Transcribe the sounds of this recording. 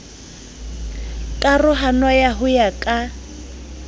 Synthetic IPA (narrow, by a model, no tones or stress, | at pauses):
kʼarʊɦanajaɦʊjakʼa